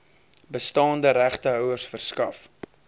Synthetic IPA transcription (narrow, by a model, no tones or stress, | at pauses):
bəstɑːndəɾæχtəɦœwərsfərskɐf